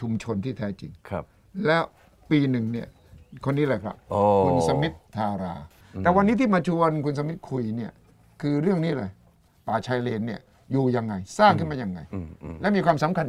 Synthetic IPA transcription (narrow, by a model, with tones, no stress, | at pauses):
t͡ɕʰu˧mt͡ɕʰo˧nt̪ʰiː˥˩t̪ʰɛː˦˥t͡ɕḭ˨˧ŋkʰ | lɛː˦˥w | piː˧nɯ˨˩ŋni˥˩ɐ | kʰo˧nːiː˦˥laː˧jkʰɾa̰˦˥p̚o˧u˧nsa˧mi˦˥t̪̚ʰːaː˧ɾa̰ː˧ | t̪ɛː˨˩wa˧nːiː˦˥t̪ʰiː˥˩maː˧t͡ɕʰu˧ənkʰu˧ns̬a˧mi˦˥t̪̚kʰu˧jni˥˩ɐ | kʰɯː˧ɾɯ˥˩əŋniː˦˥lɤː˧j | paː˨˩t͡ɕʰa˧jleː˧nːi˥˩ɐ | juː˨˩ja˧ŋːa˧jsaː˥˩ŋkʰɯ˥˩maː˧ja˧ŋːa̰˧jlɛ˦˥wmiː˧kwaː˧msa˨˦mkʰa˧n